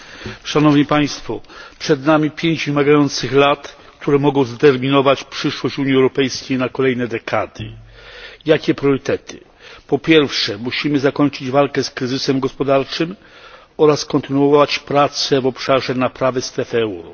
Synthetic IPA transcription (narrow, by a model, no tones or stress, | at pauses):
ʂanɔvɲipaj̃st̪fɔpʂɛd̪namʲipʲjeɲd͡ʑvɘmaɡajɔnt̪sɘxlat̪ | kt̪ʰuɾɛmɔɡɔ̃w̃zt̪ɛɾmʲinɔvat͡ɕpʂɘʂwɔɕt͡ɕuɲjiɛwɾɔpɛjskʲejnakɔlɛjnɛd̪ɛkʰad̪ɪ̰ | jakʲɛpɾʲjɔɾɘt̪ɛt̪ʰɘ̥̰ | pɔpʲjɛɾfʂɛmuɕimɘzakɔɲt͡ʂɘd͡ʑvalkɛskɾɘzɘsɛmɡɔspɔd̪aɾt͡ʂɘm | ɔɾaskɔnt̪ɘnuɔɔvat͡ɕpɾat̪sɛvɔpʂaʐɛnapɾavɛst̪ɾɛfɛwɾɔ